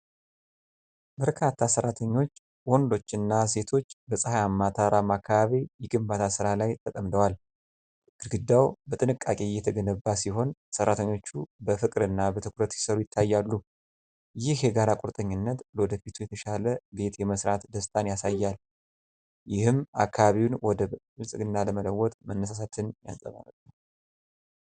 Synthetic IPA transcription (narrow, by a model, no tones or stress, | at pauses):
bəɾkʰat̪ʰːasərːat̪ʰəɲːo̞t͡ʃː | wond̪o̞t͡ʃːɨnːase̞t̪ʰo̞t͡ʃːbəsʼɨhajamːat̪ʰaɾamakʰːaβaβijɪɡɨmbat̪ʰasɨɾalajt̪ʼəkʼəmd̪əwal | ɡɨɾɡɨd̪ːawbət̪ʼɨnɨkʼːakʼejːɛt̪ʰəɡənəbːasiɦo̞nsərːat̪ʰəɲːo̞t͡ʃːubəfɨkʼɾɨnːabət̪ʰɨkɾət̪si̥səɾujɪt̪ʰːajːalːu | jɪhjɛɡaɾakʼuɾt̪ʼəɲːɪnːət̪lwɔd̪əfit̪ʰujɛt̪ʰəʃaləbe̞t̪jɛməsɾat̪d̪əst̪ʼanjasajːal | jɪhɨma̰kːaβaβiwnwɔd̪ə | ɨlsʼɨɡɨnːaləmələwːɔt̪ʼmənːəs̬as̬at̪ʰɨnja̰nsʼə̰βa̰nəbə